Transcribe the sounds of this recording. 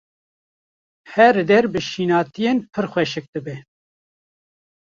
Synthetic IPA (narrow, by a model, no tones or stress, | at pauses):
hɛɾd̪ɛɾbɨʃiːnɑːt̪ijeːnpʰɨɾxʷwɛʃɨk̚d̪ɨbe